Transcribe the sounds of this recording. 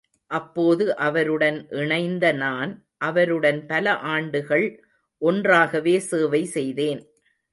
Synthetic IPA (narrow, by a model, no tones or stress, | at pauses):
ʔɐpːoːðɯʔɐʋɐɾɯɽɐnʔɪɳɐɪnd̪ɐnaːn | ʔɐʋɐɾɯɽɐnpɐlɐʔaːɳɖɯɣɐɭ | ʔɔndraːɣɐʋeːseːʋɐɪsɛjðeːn